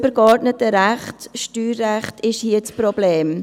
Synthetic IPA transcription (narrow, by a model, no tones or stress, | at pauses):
bəɾkɔɾdnətəɾæχtʃtyːrːæχtʰɪʃhiːət͡sprobleːm